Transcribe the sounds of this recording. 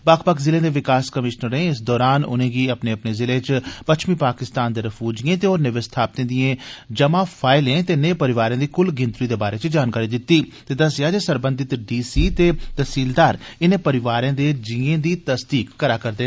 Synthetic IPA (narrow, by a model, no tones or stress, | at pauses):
baːkʰpəkzɪlẽːd̪eːʋɪkaːskəmɪʃnəɾẽːɪs̬d̪ɔːɾaːnʊ̰nẽːɡiːəpneːəpneːzɪlẽːt͡ʃpətʃʰmiːpaːkɪst̪aːnd̪eːɾəfʰuːd͡ʒijẽːt̪eːoːɾnɪʋəst̪ʰaːp̚t̪ẽːd̪ijẽːd͡ʒəmaːpʰaːɪlẽːt̪enẽːpəɾɪʋaːɾeãːd̪iːkʊlɡɪ̃nt̪ɾiːd̪eːbaːɾeːt͡ʃd͡ʒaːnkaːɾiːd̪ɪt̪ːiːt̪eːd̪əsɪjaːd͡ʒeːsəɾbə̃nd̪ɪt̪ɖiːsiːt̪eːt̪əsiːld̪aːɾɪnẽːpəɾɪʋaːɾẽːd̪eːd͡ʒɪẽːd̪iːt̪əsd̪iːkːəɾaːkəɾd̪eː